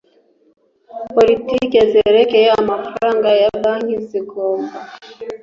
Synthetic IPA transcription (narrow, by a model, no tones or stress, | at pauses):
politikezeɾekejeamafaɾaːŋɡajabaŋ̥iziɡoːmɡa